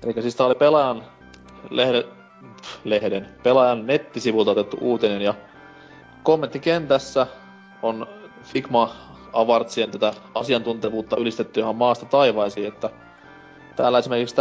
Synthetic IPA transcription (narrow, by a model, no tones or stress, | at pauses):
elikːæsiːst̪æːolipelɑjɑn | lehe | lehdenpelɑjɑnːet̪ːisiʋult̪ɑot̪et̪ːṵʔuːt̪enenjɑ | komːent̪ːikent̪æsːæ | on | fiɡmɑ | ɑʋɑrt̪sient̪æt̪æɑsiɑnt̪unt̪eʋuːt̪ːɑʔylist̪et̪ːyjohɑmmɑːst̪ɑt̪ɑiʋɑisiːet̪ːæ | t̪æːlːæesime̞rkikst̪